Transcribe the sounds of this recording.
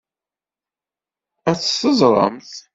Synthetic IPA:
æt͡sːθəzˤɾˤə̰mθ

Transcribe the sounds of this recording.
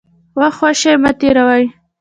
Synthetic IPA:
waxwaʃemat̪eɾawaj

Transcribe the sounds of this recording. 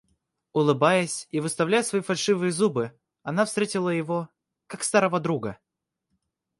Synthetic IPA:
ʊlˠɨbajəsʲivɨst̪ɐvlʲæjsvɐifɐlʲʂɨvɨjəzubɨ | ɐnafst̪ɾʲetʲɪlˠəjɪvo | kakst̪aɾəvəd̪ɾuɡə

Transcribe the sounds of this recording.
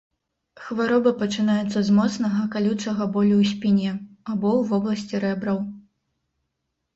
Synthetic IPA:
xvaɾɔbɐpɐt͡ʂɨnajɛt̪sːɐzmɔt̪snɐɣɐkalʲut̪sɐɣɐbɔlʲuwsʲpʲinʲɛabɔwvɔblˠɐsʲt͡sʲiɾɛbɾɐw

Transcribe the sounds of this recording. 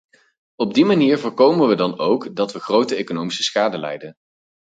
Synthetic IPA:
ɔb̚dimaniːɹvʊːɹkowmənʋədɑnowkdɑtʋəχrowtəejkonowmisə̥sχaːdəlɛ̰jdən

